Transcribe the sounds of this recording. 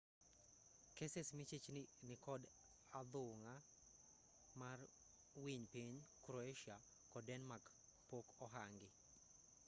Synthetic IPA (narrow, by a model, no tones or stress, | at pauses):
kesesmit͡ʃet͡ʃnnɪkɔd | ad̪ʊŋa | mar | wiɲpiɲkɾɔeʃia | kɔdɛnmak | pokɔɦaŋɡɪ